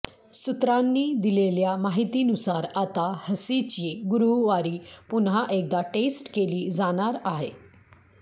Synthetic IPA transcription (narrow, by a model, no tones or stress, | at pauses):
sut̪ɾanːiːd̪ileljamaɦit̪iːnusaɾat̪ahəsit͡ɕiːɡuɾuɦʋaɾiːpunɦaʔek̚d̪aʈesʈkeliːd͡zaɽ̃aɾaɦḛ